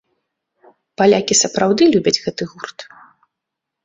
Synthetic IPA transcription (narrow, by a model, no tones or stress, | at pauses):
palʲakʲisɐpɾawd̪ɨlʲubʲɐd͡zʲɣɛt̪ɨɣurt̪